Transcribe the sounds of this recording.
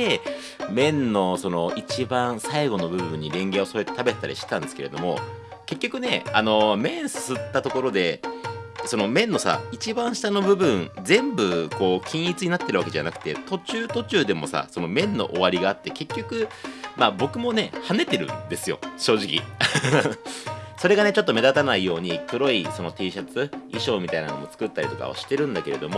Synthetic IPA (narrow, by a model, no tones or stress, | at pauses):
e | mẽ̞nːo̞so̞no̞it͡ɕibãɰ̃saiɡo̞no̞bɯ̟bɯ̟̃ɲ̟ːiɾẽ̞ŋɡeo̞so̞ɾet̪et̪abe̞t̪et̪ːaɾiɕi̥t̪ãnd̪eɨ̥ke̞ɾe̞̰d̪o̞mo̞ | ke̞kʲːokɯ̟ne̞ano̞mẽ̞ɰ̃sɨ̥sɨt̪ːat̪o̞ko̞ɾo̞d̪e̞ | so̞no̞mẽ̞nːo̞sa̰it͡ɕibãɰ̃ɕi̥t̪ano̞bɯ̟bɯ̟̃nd͡zẽ̞mbɯ̟ko̞ːkʲĩɰ̃ʲit͡sɨɲ̟inat̪ːe̞ɾɯβake̞ʑa̰nakɯ̟̥t̪e̞t̪o̞t͡ɕɨːt̪o̞t͡ɕɨːd̪e̞mo̞̰sa̰so̞no̞mẽ̞nːo̞̰ʔoβaɾʲiɡaːt̪ːe̞ke̞kʲːo̞kɯ̟maːbo̞kɯ̟mo̞ne̞hane̞t̪e̞ɾɯ̟̰̃nd̪e̞sɨjo̞̰ɕo̞ːʑikʲḭ | so̞ɾe̞ɡane̞t͡ɕo̞t̪ːo̞me̞d̪at̪anaijo̞ːɲ̟ikɯ̟ɾo̞iso̞no̞t̪iːɕat͡sɨiɕo̞ːmʲit̪aina̰no̞̰mo̞t͡sɨ̥kɯ̟t̪ːaɾʲit̪o̞ka̰o̰ɕi̥t̪ːe̞ɾɯ̟̃nd̪ake̞ɾe̞d̪o̞mo